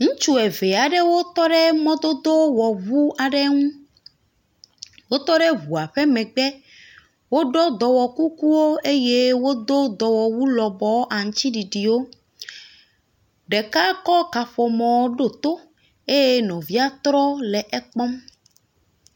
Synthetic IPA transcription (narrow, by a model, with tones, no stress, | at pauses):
ŋũ˦t͡ʃu˦ɛ˨ve˨a˨ɖe˦wo˦t̪ɔ˦ɖe˦mɔ̃˦d̪o˦d̪o˦wɔ˨βu˦a˨ɖe˦ŋũ˦ | wo˦t̪ɔ˦ɖe˦βu˨a˨ɸe˦mɛ̃˨ɡ͡bɛ˦ | wo˦ɖɔ˦d̪ɔ˨wɔ˨ku˦ku˦wo˦e˦je˦wo˦d̪o˦d̪ɔ˨wɔ˨wu˦lɔ˨bɔ˦wʔa˨ŋ̩̃˦t͡ɕi˦ɖi˨ɖi˨wo˦ | ɖɛ˨ka˦kɔ˦ka˨ɸɔ˨mɔ̃˨˦ɖo˦˨t̪o˦ | e˦je˦nɔ̃˨vi˦a˦t̪ɾɔ˦lɛ˨ʔɛ˦k͡pɔ˦m